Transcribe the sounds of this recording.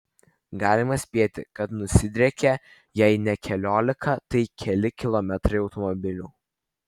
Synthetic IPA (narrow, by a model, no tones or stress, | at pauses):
ɡɑːlʲɪmɐsʲpʲiɛt̪ʲɪ̰kɐt̪nʊsʲɪd̪ʲɾʲɛkʲɛ | jɛɪnʲɛkʲʰɛlʲoːlʲɪkʰɐt̪ɐɪkʲʰɛlʲɪkʲɪlˠɔmʲɛt̪ɾɐɪɒʊt̪ɔmɔbʲɪlʲuː